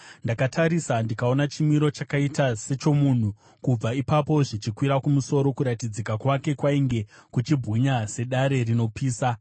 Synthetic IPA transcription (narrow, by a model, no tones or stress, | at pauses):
ndakatʰaɾisandikao̞nat͡ʃimiɾo̞t͡ʃakaitase̞t͡ʃo̞mun̤u | kub͡vaipapo̞ʐit͡ʃikwiɾakumuso̞ɾo̞kuɾatid͡zikakwake̞kwaiŋɡe̞kut͡ʃibʱɣuɲase̞ɗaɾe̞rino̞piːsa